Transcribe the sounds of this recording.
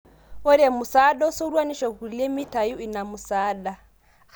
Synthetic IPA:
ɔ˦ɾɛ˨mu˨sa˦ɗɔ˦u˦sɔ˦ɾwa˦ni˦ʃɔ˨ɣu˨lɛ˦mi˦ta˨ju˦i˨na˨mu˨sa˦ɗa˨

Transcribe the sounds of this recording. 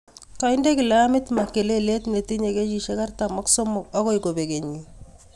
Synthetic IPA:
ka˦ɪ˦nde˦kɪ˨la˦a˦mɪ˦tma˨kːe˨le˦le˦tne˨ti˦ɲe˨ke˦t͡ʃi˨ʃe˦ka˦rta˨mɔ˦ksɔ˦mɔ˨ka˦kɔ˦jko˨be˨ke˨ɲi˨

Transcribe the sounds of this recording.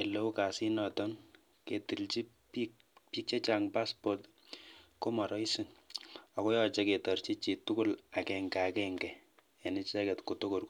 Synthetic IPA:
e˨lo˦u˦ka˨si˦nɔ˨tɔ˦n | ke˨ti˨lt͡ʃi˦ | pi | pi˦k̚t͡ʃɛ˦t͡ʃa˨ŋpa˦sport | ko˦mɔ˨ɾɔ˦isi˨na˨ko˦jɔ˦t͡ʃɛ˦ke˨tɔ˨rt͡ʃi˦t͡ʃi˨tu˦ku˦la˨kɛŋɡa˨akɛŋɡɛ˨ | ja˨ni˦t͡ʃɛ˦kɛ˨tko˨to˦ko˨rk

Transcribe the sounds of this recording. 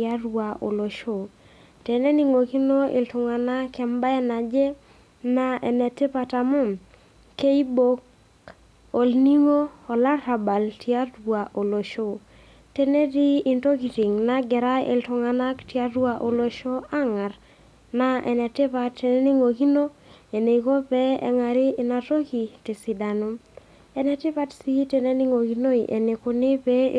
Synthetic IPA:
a˦ɾwa˨o˨lo˨ʃo˨ | te˨ne˦ni˦ŋo˨ki˦no˦ḛ˨ltʊ˨ŋa˨na˦kɛ˨mba˦ɛ˦na˨d͡ʒe˦ | na˦ɛ̰˨nɛ˨te˦pa˧ta˨mʊ˦m | ke˦i˦bo˦k | o˨lni˦ŋo˦ɔ˨la˦ɾa˨ba˨ltʰja˦ɾwa˨ʔo˨lo˨ʃo˦ | te˦ne˦di˦i˦nto˦ki˨ti˨ŋna˦ɡɛ˨ɾa˦ḛ˨ltɔ˨ŋa˦na˦ktja˦ɾwa˦ʔo˨lo˨ʃo˦a˦ŋa˨ɾ | na˦ɛ̰˨nɛ˨tɪ˦pa˦tːe˨ne˦nɪ˦ŋo˨ki˦no˦e˨ne˨iko˦pɛ˦ɛ̰˨ŋa˨ɾɪ˦ɪ˨na˨to˦ki˨tɪ˨si˨da˨nʊ˦m | ɛ˨nɛ˨tɪ˦pa˦tsi˦te˨ne˦ni˦ŋo˨ki˨no˦i˨ʔḛ˨ne˨kʊ˨˦nɪ˦pḛ˦

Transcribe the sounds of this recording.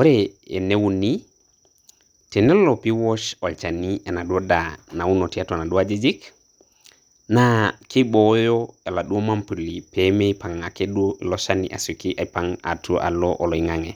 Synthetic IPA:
wo˦ɾeḛ˨ne˦wu˨ni | te˨ne˦lo˨pi˦wo˦ʃo˨lt͡ʃa˨ni˦e˨na˨du˦o˦dana˨wu˦no˨tia˦tona˨du˦ad͡ʒi˦d͡ʒi˦k | naki˦bo˨jo˦e˨la˨ɗu˦o˦ma˦mpu˨lipeme˦jpa˨ŋa˨ke˦ɗu˦o˦i˨lo˦ʃa˦nḭʔa̰˨so˨ki˦ʔa˨paŋa̰˨tu˦o˦ʔa̰˨loʔo˨lo˨i˨ŋaŋe˨

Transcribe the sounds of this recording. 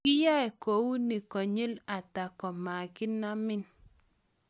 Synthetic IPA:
kɪ˦ja˦ɛ˨ko˨wu˦nɪ˨kɔ˨ɲe˦la˨ta˨kɔ˨ma˨kɪ˦na˦mɪ˦n

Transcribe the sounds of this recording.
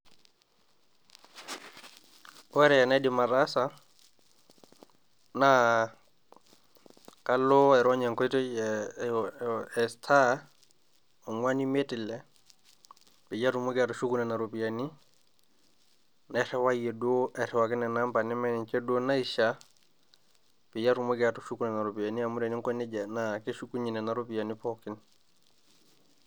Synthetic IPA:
wɛ˦ɾɛ˨jɛ˨nɛ˦dɪ˨ma˨ɾa˦sa˦ | na˦ | ka˦lo˦ɛ˨ɾɔ˦ɲɛ˨ŋkɔ˦i˦tɔ˦ | ɛ˨stʰa˦ | o˨ŋwa˦ni˦me˦tɪ˨lɛ˨ | pɪ˨ja˦tu˨mʊ˦ɡa˨tɔ˨ʃu˦ku˦nɛ˨na˨ɾo˨pi˨a˨ni˦ | nɛ˦ɾɛ˦wa˦jɛ˨do˦ɛ˨ɾɛ˨wa˨kɪ˦nɛ˨na˦mpa˨nɪ˦mɛ˦nɪ˨ɲt͡ʃɛ˦do˦na˦i˦ʃa˦ | pɪ˨ja˦tu˨mo˦ɡa˨tu˨ʃu˦ku˦nɛ˨na˨ɾo˨pi˨a˨ni˦a˨mu˦ɾe˨ni˦ŋkɔ˦nɪ˦d͡ʒa˨na˨ke˦ʃu˦ku˦ɲi˨nɛ˨na˨ɾo˦pi˨a˨ni˦pɔ˦kɪ˦n

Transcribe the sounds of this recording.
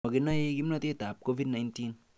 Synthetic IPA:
ɔ˨ki˨na˦je˦k̬i˦mnɔ˦˧te˦ta˨p̚ko˦vi˦dna˨jntin

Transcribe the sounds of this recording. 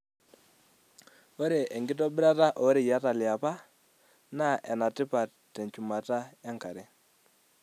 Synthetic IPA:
wo˦ɾe˨ʔe˨ŋɡi˦t̬o˦bi˦ɾa˦ta˦ʔo˨˦ɾi˨ja˦ta˨li˨a˨pa˦ | na˦ʔe˨na˨ti˦pa˨ | tːe˨nt͡ʃu˨ma˨ta˦a˦ŋka˨ɾe˦

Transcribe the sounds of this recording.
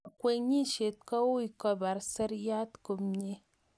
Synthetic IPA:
kwe˨ɲi˦˨ʃe˨t̚kɔ˦u˦i˨kɔ˦ba˨ɾse˦ɾja˦tko˨mɲe˦

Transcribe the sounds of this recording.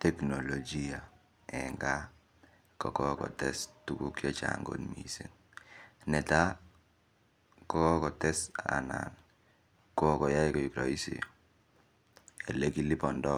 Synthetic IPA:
tɛ˨kno˨lo˨d͡ʒi˦a˨ | ɛ˨ŋɡa˦ | kɔ˨kɔ˦kɔ̰˨tɛ˦stu˦ku˦kjɔ˦t͡ʃa̰ŋɡo̰˦tmḭ˨se˨n | nɛ˨ta˦ | kɔ˦kɔ˦kɔ˨tɛ˦sa̰˨na̰˨n | ko˦˨kɔ˨ja˦i˦kɔ˨i˨kɾɔ˨i˦sḭ˨ | e˨le˦ki˦li˦pɔ˨ndɔ˦

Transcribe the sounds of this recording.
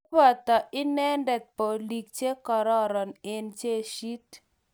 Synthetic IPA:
bɔ˨t̪ɔ˨ʔɪ˦nɛ˦ndɛ˨t̪̚po˨li˨k̚t͡ʃe˦kɔ˨ɾɔ˦ɾɔ˨nɪ˦nt͡ʃe˦ʃi˦t

